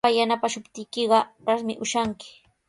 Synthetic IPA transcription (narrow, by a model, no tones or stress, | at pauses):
ajanapaʃʊpt̪ɪjkɪɢɑɾasmɪ̰ʔʊʃaŋkɪ̥